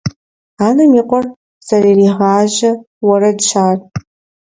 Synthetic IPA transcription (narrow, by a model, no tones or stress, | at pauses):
aːnɐmiːqʷʼɔr | z̥ɐririʁaːʒɐ | wɐɾɐdʃʰaːr